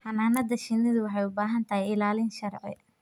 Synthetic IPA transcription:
hɐnaːnɐd̪ɐʃɪnːɪðʊwɑħɑjʊbaːɦɐnt̪ʰɐɦɛjɪlaːlɪnʃɐrʕɪ̰

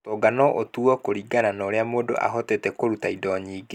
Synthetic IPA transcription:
tɔːɡanɔʔotuɔkoɾiːɡananɔːɾeamoːdo̰ʔa̰ɦɔtetɛkoɾutaidɔɲiːɡe

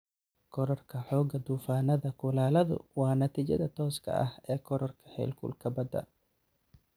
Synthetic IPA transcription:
kʰɔɾɐrkʰɐħɔːɡɐd̪uːfaːnɐðɐkʰʊlaːlɐðʊ̰wɑːnɐt̪ʰiːt͡ʃɐðɐt̪ʰɔːskʰɐ̰ʔɐhɛːkʰɔɾɐrkʰɐ̥hɛ̰ːlkʰʊ̰lkʰɐbɐd̪ɐ̰

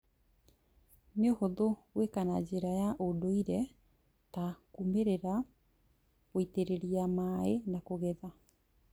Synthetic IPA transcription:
neohoðowekanad͡ʑeɾajaʔodoiɾɛ | takumeɾeɾa | ɣoiteɾeɾiamaenakoɣɛða

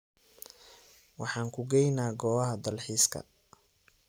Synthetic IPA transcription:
wɑħɑːŋkʰʊɡɛjnaːɡɔːɐɦɐd̪ɐlħiːskʰɐ̰

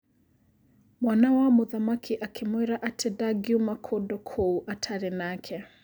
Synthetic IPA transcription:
mwanawamuðamakʰiʔakʰɛmwɛɾaʔatʰɛdaɡiumakʰɔdɔkʰɔuʔatʰaɾinakʰɛ

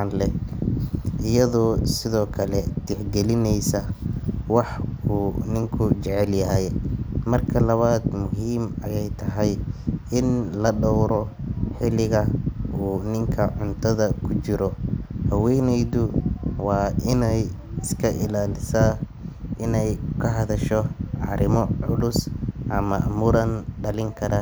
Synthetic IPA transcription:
nlɛ | ʔɪjɐðɔːsɪðɔːkʰɐlɛt̪ʰɪħɡɛlɪnɛjsɐwɑħuːnɪŋkʰʊt͡ʃɛʕɛljɐɦɛjmɐrkʰɐlɐβaːd̪mʊɦiːmɐ̰jɛjt̪ʰɐɦɛjɪnlɐɖɔwɾɔħɪlɪɣɐʔuːnɪŋkʰɐʕʊnt̪ʰɐðɐkʰʊt͡ʃɪɾɔhɐwɛjnɛjd̪ʊwɑːɪnɛj | ɪskʰɐʔɪlaːlɪsaː | ʔɪnɛjkʰɐɦɐðɐʃɔʕɑɾɪmɔʕʊlʊsʔɐmɐ̰ʔmuːɾɐnɖɐlɪŋkʰɐɾaː

